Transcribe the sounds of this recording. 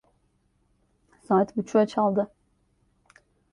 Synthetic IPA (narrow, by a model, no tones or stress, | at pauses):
saːt̪but͡ʃʰuat͡ʃʰalˠd̪ɯ